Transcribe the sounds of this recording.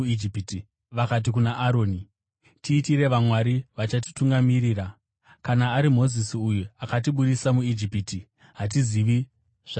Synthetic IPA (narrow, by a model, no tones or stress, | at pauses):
id͡ʒipti | ʋakat̬ikunaʔaɾo̞ːni | tiːtiɾe̞ʋamwaɾiʋat͡ʃati̥tuŋɡamiɾiːra | kanaːɾimo̞zisiujuakat̬iɓuɗisamuid͡ʒipiti | ɦat̬iziʋi | ʐa